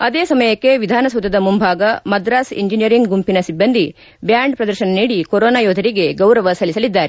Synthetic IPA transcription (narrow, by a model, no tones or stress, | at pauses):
ɐd̪eːsɐmɐjɐkːe̞ʋid̪ʱaːnɐsɐd̪ɐd̪ɐmumbʱaːɡɐmɐd̪ɾaːsḭɲd͡ʒinijɐɾiŋɡɡumpinɐsibːɐnd̪ʱi | bjaːɳɖpɾɐd̪ɐɾʃɐnɐniːɽikoɾoːnaːjoːd̪ʱɐɾiɡe̞ɡɐwɾɐʋɐsɐlisɐlid̪ːaːɾe